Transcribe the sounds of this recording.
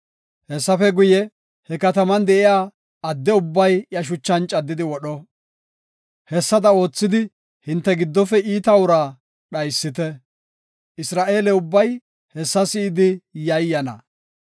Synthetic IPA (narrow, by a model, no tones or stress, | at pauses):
hɛsːɐfɛɡʊjɛ | hɛkɐt̪ɐmɐnd̪ɛʔɪjaː | ɐd̪ːɛʊbːɐjjɐʃ̬ʊt͡ʃːɐnt͡ʃʼɐd̪ːɪd̪ɪwɔɗɔ | hɛsːɐd̪ɐo̞ːt͡sːɪd̪ɪ | hɪnt̪ːɛɡɪd̪ːɔfɛʔiːt̪ɐwʊɾaː | ɗɐjsːɪt̪ɛ | ʔɪsɾaːʔe̞ːlɛʊbːɐj | hɛsːɐsɪɪd̪ɪjɐjːɐnɐ̰